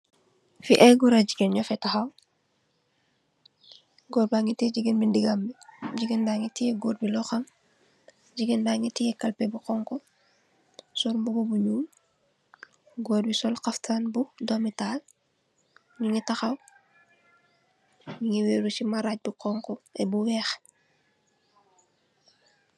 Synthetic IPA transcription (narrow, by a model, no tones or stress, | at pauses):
fiʔɛɡuɾaɟiɡenɲɔfɛtaxɐw | ɡɔɾbaŋitɛɟiɡənbindiɡambiɟiɡəndaŋitijɛɡoːɾ̚bilɔxɐm | ɟiɡendaŋitijɛkɐlpebuqɔŋkɔ | sɔlmbuɡobuɲuːm | ɡoːɾ̚bisɔlqaftʰaːnbudomitaːl | ɲuŋitaxɐw | ɲuŋiweːɾusimaɾac̚buqɔŋkɔɛbuwɛːx